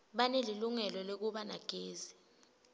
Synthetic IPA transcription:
ɓaneliluŋɛlɔlek̬uɓanaɡ̥ʱeːzi

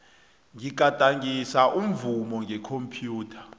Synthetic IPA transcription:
ŋik̬ʼatʼaŋisaʔum̩vumɔŋʱɛkʰompʰjuːtʰḁ

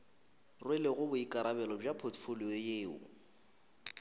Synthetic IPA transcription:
rwɪlɪɣʊbʊikʼaɾabɛlɔb͡ʐapʰot͡sfʊliejeːʊ̰

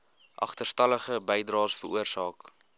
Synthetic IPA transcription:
ʔɐ̰χtərstɐləχəbɛjdrɑːsfərʔuərsɑːk

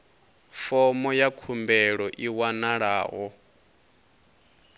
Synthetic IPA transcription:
fɔmɔjakʰumbɛɺɔʔiwanaɺa̰ːɦɔ

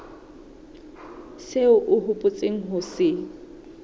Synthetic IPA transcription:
seʊʔʊɦʊpʼʊt͡sʼeŋ̩ɦʊsɪ

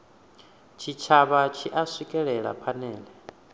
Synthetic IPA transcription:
t͡ʃʰit͡ʃʰaβat͡ʃʰiʔasikʼɛɺɛɺa̰pʰanɛːlɛ

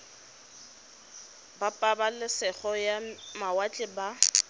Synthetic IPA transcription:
bapʼabalɪsɛχɔjamawat͡ɬʼɪba

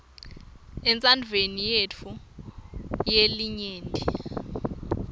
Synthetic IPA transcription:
ɛnt͡sʼandʱvʱenijet͡fʰu | jeliɲeːndʱʼi

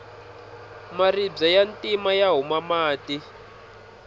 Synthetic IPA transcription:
marib͡ʐajantʼimajaɦumamaːti

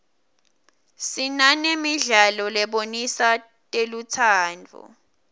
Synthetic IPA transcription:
sinanemiɮalɔlɛɓonisa | tʼelut͡sʰaːndʱṵ

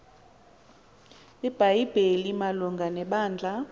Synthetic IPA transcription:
lib̥ʱajib̥ʱelimaluŋɡʱanɛɓaːnd͡ɮʱa

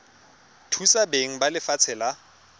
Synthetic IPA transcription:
tʰusabeŋ̩balɪfat͡sʰɛla

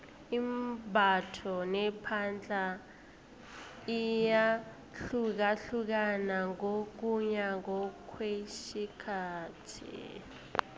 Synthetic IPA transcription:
imbʱatʰɔnɛpʰand͡ɮʱa | ija | ɬuk̬aɬuk̬anaŋok̬uɲaŋɔkʰwesikʰaːtʰḭ

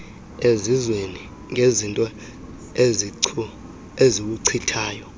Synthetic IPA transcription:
ezizweni | ŋʱezintʼɔ | eu | ezik̬uǀʰitʰaːjɔ

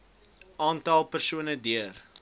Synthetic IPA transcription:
ɑːntɐlˠpərsuənədiər

